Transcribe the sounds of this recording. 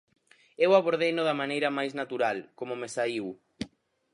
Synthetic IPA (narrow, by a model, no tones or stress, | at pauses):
ewaβoɾð̞ejnoðamanejɾɐmajznat̪uɾalkomomesaiw